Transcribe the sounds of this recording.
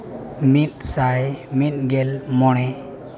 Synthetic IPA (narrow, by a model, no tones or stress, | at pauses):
mit̪̚sajmit̪̚ɡelmɔɽ̃ɛ